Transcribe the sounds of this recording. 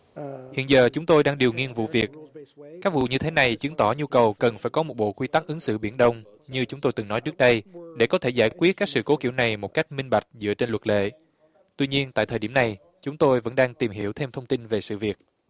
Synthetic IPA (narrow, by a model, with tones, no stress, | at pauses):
hḭ˧˨ənzəː˨˩t͡ɕʊ˨˦ŋ͡mt̪o˧jɗaː˧ŋɗi˨˩əwŋi˧ənvṵ˧˨vi˨˩ət̚kaː˦˥k̚vṵ˧˨ɲɨ˧t̪ʰe˨˦na˨˩jt͡ɕɨ˨˦ŋt̪ɔ˧˩ɲu˧kə˨˩wkə˨˩nfaː˧˩jkɔ˨˦mo˨˩t̚ɓo̰˧˨kwi˧t̪a˦˥k̚ʔɨ˨˦ŋsɨ̰˧˨ɓi˧˩ənɗə˧wŋ͡m | ɲɨ˧t͡ɕʊ˨˦ŋ͡mt̪o˧jt̪ɨ˨˩ŋnɔ˨˦jt͡ɕɨ˦˥ək̚ɗə˧jɗe˧˩kɔ˨˦t̪ʰe˧˩zaː˧˩kwi˦˥ət̚kaː˦˥k̚sɨ̰˧˨ko˨˦kḭ˧˩əwna˨˩jmo˨˩ka˦˥jk̟̚mï˧ŋ̟ɓa˨˩jk̟̚zɨ̰˧˥ət͡ɕe˧nlwə˨˩t̚lḛ˧˨ | t̪wi˧ɲi˧ənt̪a̰ː˧˨t̪ʰəː˨˩ɗi˧˩əmna˨˩j | t͡ɕʊ˨˦ŋ͡mt̪o˧jvə̰˧˥nɗaː˧ŋt̪i˨˩mhḭ˧˩əwt̪ʰe˧mt̪ʰə˧wŋ͡mt̪i˧nve˨˩sɨ̰˧˨vi˨˩ək̚